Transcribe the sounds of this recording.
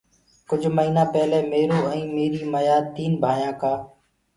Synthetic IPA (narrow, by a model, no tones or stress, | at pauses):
kʊd͡ʒʱməiːnãːpɛːleːmeːɾoːɛ̃ːmeːɾiːməjaːt̪iːnbʱaːjãːkaː